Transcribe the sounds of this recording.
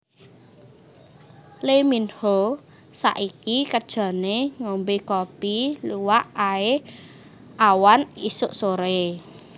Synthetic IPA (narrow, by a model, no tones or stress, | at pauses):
leminho | sa̰ʔikikəd̥ʒ̥a̤neŋombekɔpiluwaʔae | awanḭsʊʔsoɾe